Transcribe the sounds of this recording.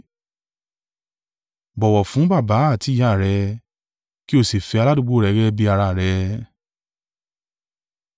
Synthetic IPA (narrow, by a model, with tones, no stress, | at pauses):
bɔ˨wɔ˨fũ˨˦ba˦˨ba˨˦a˦˨ti˨˧˦ja˦˨ɾɛ˧ | ki˦o˦˨si˨fɛ˧a˧la˦dũ˧ɡ͡bo˦˨ɾɛ˨˦ɡɛ˦bi˧a˧ɾa˧˨ɾɛ˧˦